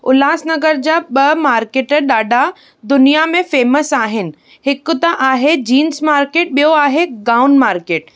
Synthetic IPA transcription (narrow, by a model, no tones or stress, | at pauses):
ʊlaːsnɐɡəɾd͡ʑaɓɐmaːɾkeːʈɗaːɖʱa | d̪ʊnijamẽfeːməsaːɦɪnɪ̆ | hɪkʊ̆t̪ɐʔaːɦed͡ʑiːnsmaːɾkeːʈ̚ɓijoaːɦeɡaːʊnmaːɾkeːʈ